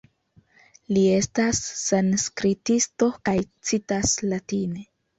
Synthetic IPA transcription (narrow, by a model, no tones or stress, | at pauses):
lie̞stasːanskɾitisto̞kajt͡sitaslatine̞